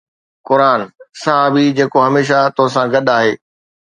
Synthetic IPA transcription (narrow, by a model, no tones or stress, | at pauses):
kʊɾaːnsɐɦaːbid͡ʑeːkoɦɐmeːʃ̬at̪oɦsãɡɐɗaːɦeː